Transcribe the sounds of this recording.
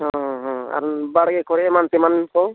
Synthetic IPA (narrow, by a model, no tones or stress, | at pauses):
ɦɔ̃ɦɔ̃a̰ɾbaɽɡekʰɔɾemant̪imankɔ